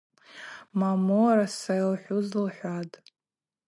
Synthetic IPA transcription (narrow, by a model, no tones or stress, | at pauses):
mamoɾasajlħʷʊzlħʷatʼ